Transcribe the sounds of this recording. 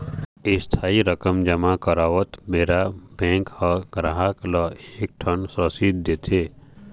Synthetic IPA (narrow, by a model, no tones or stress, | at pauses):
ɪst̪ʰaːiɾəkəmd͡ʒəmakəɾaːʋət̪meːɾabɛ̃ːŋkhɔɡɾaɦaklɔeːk̚ʈʰənsɔsit̪̚d̪eːt̪ʰeː